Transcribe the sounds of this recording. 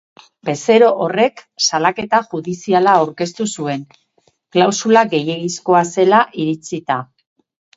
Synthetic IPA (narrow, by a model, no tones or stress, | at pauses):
be̞se̞ɾo̞ʔːre̞ksalake̞t̪aʝuðisialaːawɾke̞st̪usue̞n | klawsulaɡe̞je̞ɣisko̞ase̞laʔiɾit͡sit̪a